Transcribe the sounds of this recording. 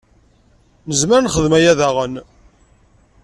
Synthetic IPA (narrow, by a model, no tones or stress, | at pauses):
nəzməɾnχəðmæjæðaʁən